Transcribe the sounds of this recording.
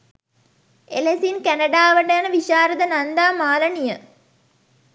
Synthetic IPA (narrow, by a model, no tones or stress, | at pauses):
elesinkænɐɖaːʋəɳɖəjanəʋiʃaːɾəd̪ənand̪aːmaːlənijə